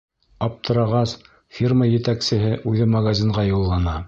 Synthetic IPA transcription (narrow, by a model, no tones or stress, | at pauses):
ɑp̚t̪ʰɤ̆ɾɑʁɑs | fʲirməjɘ̆t̪æksɘ̆ɦɘʔʉðɘmɐɣazʲiɴʁɑjulˠːɑnɑ